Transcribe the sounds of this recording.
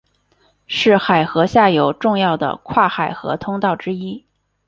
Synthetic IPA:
ʂɻ̩˥˩xa˨˩ɪxɤ˧˥ɕja˥˩jo˨˩ʊʈ͡ʂʊ˥˧ŋjɑ˥˩ʊd̪ə̰˩kʰwa˥˩xa˨˩ɪxɤ̰˧˥t̪ʰʊ˥ŋt̪ɑ˥˩ʊʈ͡ʂɻ̩˥i˥

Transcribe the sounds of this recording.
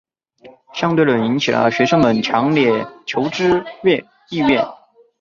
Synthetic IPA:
ɕjɑ˥ŋt̪we˥˩ɪlə˨˩ni˧˥ŋt͡ɕʰi˨˩lə̰˦ɕɥɛ˧˥ʂɤ˥ŋmə˨˩nt͡ɕʰjɑ˧˥ŋljɛ˥˩t͡ɕʰjo˧˥ʊʈ͡ʂɻ̩˥ɥɛ˥˧ | i˥˧ɥɛ˥˩n

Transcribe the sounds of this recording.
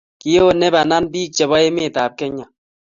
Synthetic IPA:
ki˨je˦o˦˨nɛ˦ba˨na˦nbiː˦k̚t͡ʃɛ˨bɔ˦je˦me˦˨ta˨p̚kɛ˦ɲa˨

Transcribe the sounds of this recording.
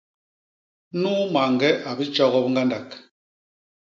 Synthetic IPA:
nuː˦ma˨ŋɡɛ˦ʔa˨bi˦t͡ʃɔ˦ɣɔ˦pŋɡa˦nda˨k

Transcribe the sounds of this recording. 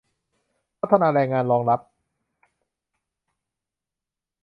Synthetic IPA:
pʰa˦t̪ʰːa˧naː˧ɾɛː˧ŋːaː˧nɾɔː˧ŋɾa˦˥p̚

